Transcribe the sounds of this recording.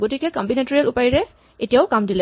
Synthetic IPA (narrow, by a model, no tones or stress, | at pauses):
ɡotikɛkɔmbinetoɹialupajiɹɛ | etijaʊkamdilɛ